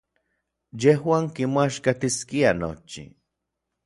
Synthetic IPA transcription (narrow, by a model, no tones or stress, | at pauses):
jehwaːŋkimaʃkat̪iskiano̰t͡ʃḭ